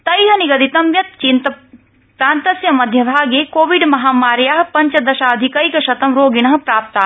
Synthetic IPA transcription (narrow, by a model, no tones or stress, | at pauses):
t̪ɐjɦɐniɡɐd̪it̪ɐmʋjɐt̪t͡ʃint̪ɐ | pɾãːnt̪ɐsjɐmɐd̪ʱjɐbʱaːɡjeːkoːʋiɖmɐɦaːmaːɾjaːɦpɐɲt͡ʃɐd̪ɐʃaːɐd̪ʱikɐikɐʃɐt̪ɐmɾoːɡiñɐɦɐ̆pɾaːp̚t̪aː